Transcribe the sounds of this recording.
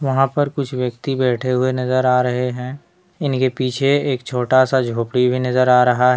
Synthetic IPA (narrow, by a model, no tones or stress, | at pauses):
ʋɐɦãpɐɾkʊt͡ʃʰʋjɐk̚t̪ibɛːʈʰeɦʊenɐzəɾaːɾɐɦeɦɛ̃ː | ɪnkepiːt͡ʃʰeeːk̚t͡ʃʰoːʈasad͡ʒʱoːpɽibʱinɐzəɾaːɾɐɦaɦɛ